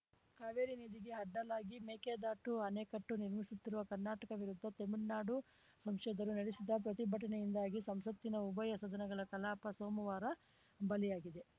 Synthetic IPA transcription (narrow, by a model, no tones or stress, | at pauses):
kaːʋeːɾiniːd̪iɡe̞ɐɖːɐlaːɡimeːkeːd̪aːʈuɐneːkɐʈːuniɾmisut̪ːiɾuʋɐkɐɾnaːʈɐkɐʋiɾud̪ʱːɐt̪emiɽnaːɖu | sɐmʂɛd̪ɐɾunɐɽisid̪ɐp̬ɾɐt̪ibʱɐʈɐnejind̪aːɡisɐmsɐt̪ːinɐubɐjɐsɐd̪ʱɐnɐɡɐɭɐkɐlaːpɐsoːmɐʋaːɾɐ | bɐlijaːɡid̪e̞